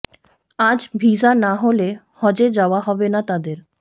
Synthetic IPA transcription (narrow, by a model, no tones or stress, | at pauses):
ad͡ʑbʱisanaɦolehɔd͡ʑed͡ʑaoaɦɔbenat̪ad̪eɾ